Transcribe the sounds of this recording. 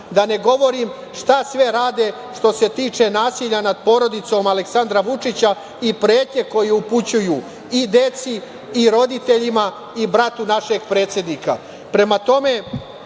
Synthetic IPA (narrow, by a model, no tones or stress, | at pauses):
d̪ane̞ɡo̞ʋo̞ɾim | ʃt̪asʋe̞ɾaːd̪e̞ | ʂt̪o̞se̞t̪iːt͡ʃe̞naːsiʎanad̪̚po̞ɾo̞d̪it̪so̞maleksand̪ɾaʋut͡ʂit͡ɕa | ipɾeːt̪ɲe̞ko̞jeuput͡ɕujuː | id̪e̞t̪siː | ɾo̞d̪it̪e̞ʎima | ibɾat̪unaʃe̞ɡpɾe̞ːt̪sʲje̞d̪nika̰ | pɾe̞mat̪o̞me̞